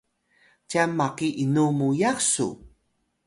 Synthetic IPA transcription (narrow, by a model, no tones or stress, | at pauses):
camːaqiʔinumujasṵ